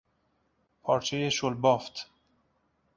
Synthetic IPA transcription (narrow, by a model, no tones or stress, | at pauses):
pʰɒːɾt͡ʃʰejeʃolbɒːft̪